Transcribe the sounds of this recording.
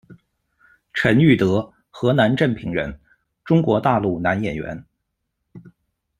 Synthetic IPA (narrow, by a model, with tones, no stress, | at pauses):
ʈ͡ʂʰə˧˥ny˥˩t̪ɤ˧˥ | xɤ˧˥na˧˥nʈ͡ʂə˥˩npʰi˧˥ŋɻə̰˧˥n | ʈ͡ʂʊ˥ŋkwɔ˧˥t̪a˥˧lu˥˩na˧˥njɛ˨˩nɥɛ̰˧˥n